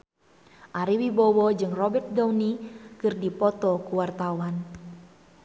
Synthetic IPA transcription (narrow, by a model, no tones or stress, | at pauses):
ʔaɾiwibɔwɔd͡ʒɨŋrɔbɛrt̪̚dɔwnikɨrdipɔt̪ɔkuwart̪awan